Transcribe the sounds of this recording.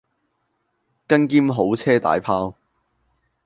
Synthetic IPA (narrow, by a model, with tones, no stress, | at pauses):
kɐ˥nkiː˥mɦo˨˥wt͡sʰɛː˥t̪a̰ː˨˩jpʰaː˥w